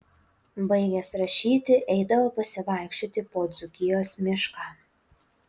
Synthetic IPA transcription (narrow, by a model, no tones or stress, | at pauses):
bɐɪɡʲɛsɾɐʃʲiːt̪ʲɪʔɛɪd̪ɐʋoːpɐsʲɪʋɑˑɪkʃʲt͡ʃʲoːt̪ʲɪpoːd̪zʊkʲɪjoːsmʲɪʃkɑː